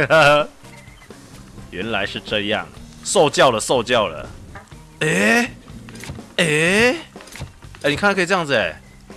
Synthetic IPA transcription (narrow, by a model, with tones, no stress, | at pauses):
ɥɛ̰˨˧˦nla˧˦ɪʂɻ̩˥˧ʈ͡ʂɤ˥˧jɑ̰˥˩ŋso˥˧ʊt͡ɕjɑ˥˩ʊlə˩so˥˧ʊt͡ɕjɑ˥˩ʊlə̰˩ | e˥˩ | e˥˧˩ | e˥˩ni˨˩a˥˧˥kʰɤ˥jŋd͡zɨ˨˩ɛ̰˨˩